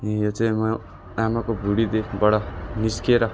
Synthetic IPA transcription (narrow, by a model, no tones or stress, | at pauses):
jot͡sʌ̃ĩmɔ | amakobʱuɽid̪ebʌɽɔniskeɾʌ